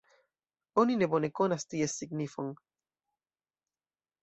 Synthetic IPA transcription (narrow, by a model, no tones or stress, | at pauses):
oninebonekonast̪iesiknifoŋ